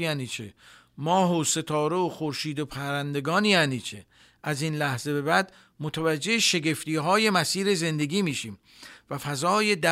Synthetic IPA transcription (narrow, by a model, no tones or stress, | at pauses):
jæːniːt͡ʃʰḛ | mɒːɦose̞t̪ʰɒːɾe̞oxoɾʃiːd̪opʰæɾænd̪e̞ɡɒːnjæːniːt͡ʃʰe | ʔæziːnlæhze̞be̞bæd̪ | mot̪ʰævæd͡ʒːe̞ʃe̞ɡe̞ft̪iːɦɒːje̞mæsiːɾe̞ze̞nd̪e̞ɡiːmiːʃiːm | væfæzɒːje̞d̪æ